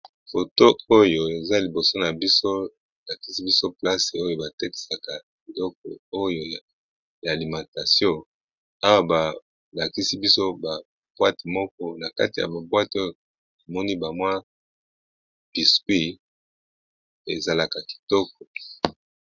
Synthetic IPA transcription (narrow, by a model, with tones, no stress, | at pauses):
fo˨to˦o˦jo˨e˨za˦li˨bo˨so˦na˨bi˦so˦˨ | la˨ki̥˦si˦bi˦so˦pla˦se˨o˦jo˨ba˨te˦ki̥˨sa˨ka˨ | bi˨lɔ˦k̚ɔ˨o˦jo˨ | ja˨li˨mã˨ta˨sjɔ̃˦ | a˦wa˦ba˨ | la˨ki˦si˦bi˦so˦ba˨ | b̥wa˦ti˨mɔ˦k̚ɔ˦na˨ka˦ti˨ja̰˨ba˨bwa˦to˦jo˨ | a˨mɔ˦ni˦ba˨mwa˦ | b̥i˨skwi˦ | e˨za˨la˨ka˨ki̥˨tɔ˦k̚ɔ˨